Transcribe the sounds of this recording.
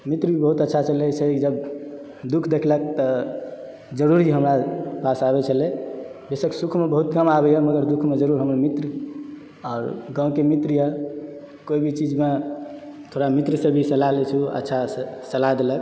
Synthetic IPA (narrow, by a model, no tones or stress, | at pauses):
mit̪ɾbʱibəɦut̪ətːʃʰat͡ʃəlɛsed͡ʒəb | d̪ukʰd̪ekʰlək̚t̪ə | d͡ʒəɾuɾiɦəmɾapasabɛt͡ʃʰəlɛbesəksukʰmebəɦut̪kəmabɛjɛməɡəɾd̪ukʰmed͡ʒəɾuɾɦəməɾmit̪ɾ | ɔːɾɡãw̃kemit̪ɾjɛ | koibʱit͡ʃid͡ʒme | t̪ʰoɽamit̪ɾəsebʱisəlalet͡ʃʰuə̰tːʃʰasəlad̪elək